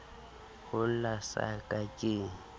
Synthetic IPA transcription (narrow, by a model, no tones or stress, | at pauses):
hʊlasa̰kʼakʼɪ